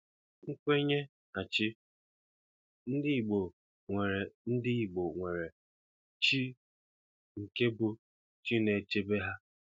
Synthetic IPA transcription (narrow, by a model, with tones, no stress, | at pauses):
ŋ̩˦kʷe˦ɲe˦ | a˨t͡ʃɪ˦ | n̩˦dɪ˦i˨ɡ͡bo˨ | ŋʷe˨ɾe˨n̩˦dɪ˦i˨ɡ͡bo˨ŋʷe˨ɾe˨ | t͡ʃi˦ | ŋ̩˨ke˦bʊ˦ | t͡ʃi˦ne˨t͡ʃe˦be˦ɦa˦